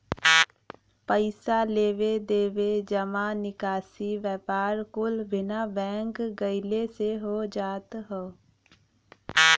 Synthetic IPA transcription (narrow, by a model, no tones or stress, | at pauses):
pəɪsaleːʋed̪eːʋed͡ʒəmanɪkaːsiʋjəpaːɾkʊlbʱɪnabɛ̃ːŋkɡəɪleseɦod͡ʒaːt̪ɦoː